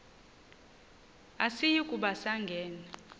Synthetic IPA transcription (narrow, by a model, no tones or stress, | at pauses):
asijikʼuɓasaŋɡʱɛːna